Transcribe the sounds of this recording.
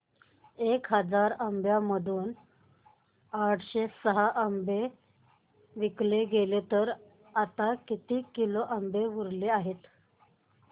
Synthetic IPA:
ekɦəd͡zaɾəmbjaməd̪ʱuːn | aʈʰɕesəɦaʔəmbe | ʋikleɡelet̪əɾ | at̪akit̪iːkiloʔəmbeʋuɾleaɦet̪

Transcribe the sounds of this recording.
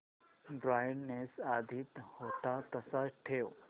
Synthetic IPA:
ɖɾajnnesad̪ʱit̪hot̪at̪əsaʈʰeo

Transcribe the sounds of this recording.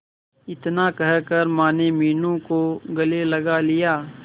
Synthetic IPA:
ɪt̪nakɐɦkɐɾmãːnemiːnõkoɡɐlelɐɡalɪjaː

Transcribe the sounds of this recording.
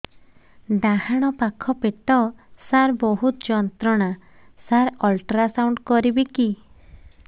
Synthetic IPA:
ɖahaɽ̃ɔpakʰɔpeʈɔsaɾbɔɦut̪d͡ʒɔnt̪ɾɔɽ̃a | saɾɔlʈɾasawɳɖkɔɾibiki

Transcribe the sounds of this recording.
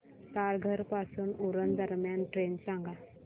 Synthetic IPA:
t̪aːɾɡʱəɾpaːsunuɾənd̪əɾmjaːnʈɾeːnsãŋɡa

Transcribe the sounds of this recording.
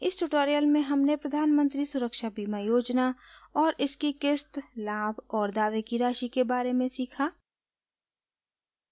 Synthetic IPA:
ɪsʈʊʈoːɾijəlmẽɦɐmnepɾɐd̪ʱaːnmə̃nt̪ɾisʊɾəkʃabiːmãjoːd͡ʒnaɔːɾʔɪskikɪst̪laːbɔːɾd̪aːʋekiɾaːʃikebaːɾemẽsiːkʰaː

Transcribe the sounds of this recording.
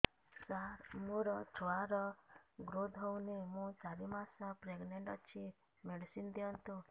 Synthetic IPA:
saɾmuɾɔt͡ʃʰɔwaɾɔɡɾod̪ʱɔwnemũt͡ʃaɾimasapɾeɡneɳɖɔt͡ʃʰi | meɖsind̪iɔnt̪u

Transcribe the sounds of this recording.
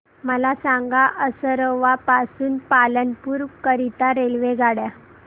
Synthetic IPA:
məlasãŋɡaʔəsəɾəʋapasuːnpalənpuːɾkəɾit̪aɾelʋeɡʱaɽja

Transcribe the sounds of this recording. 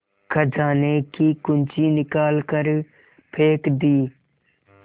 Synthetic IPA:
kʰəd͡ʒaːneːkiːkʊnt͡ʃiːnɪkaːlkəɾ | pʰeːkd̪iː

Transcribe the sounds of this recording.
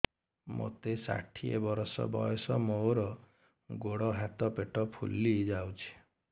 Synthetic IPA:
mo̰t̪esa̰ʈʰiebɔɾɔsɔ̰bɔjɔsɔmowɾɔ | ɡoɽɔɦat̪ɔpeʈɔpʰṵlːid͡ʒawt͡ʃʰi̥

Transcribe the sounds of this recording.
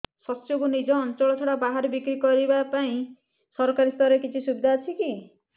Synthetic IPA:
sɔtt͡ʃokunid͡ʒɔːnt͡ʃɔɭɔt͡ʃʰɔɽabaɦaɾbikɾikɔɾibapaĩ | sɔɾɔkaɾist̪ɔɾekit͡ʃʰisubid̪ʱaːt͡ʃʰiki

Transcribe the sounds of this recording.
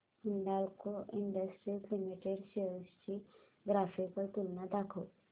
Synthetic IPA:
muɳɖalkoiɳɖəsʈɾilklimiʈeɖsest͡ɕi | ɡɾafipəɾt̪ulnad̪akʰo

